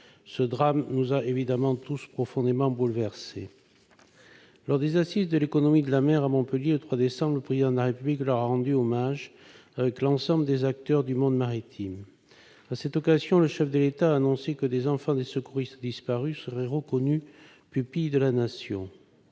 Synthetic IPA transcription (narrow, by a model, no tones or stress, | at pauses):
səd̪ʁamnuzaʔevid̪amɑ̃t̪uspχɔfɔ̃d̪emɑ̃bulvɛʁse | lɔʁd̪ezasizd̪əlekɔnɔmid̪əlamɛʁamɔ̃pəljelət̪χwad̪esɑ̃blələpχezid̪ɑ̃d̪əlaʁepybliklœʁaʁɑ̃d̪yɔmaʒ | avɛklɑ̃sɑ̃bləd̪ezak̚t̪œʁd̪ymɔ̃d̪maʁit̪ʰim | asɛt̪ɔkazjɔ̃ləʃɛfd̪əlet̪aːnɔ̃sekəd̪ezɑ̃fɑ̃d̪esəkuʁist̪d̪ispaʁysəʁɛʁəkɔny | pypijd̪əlanasjɔ̃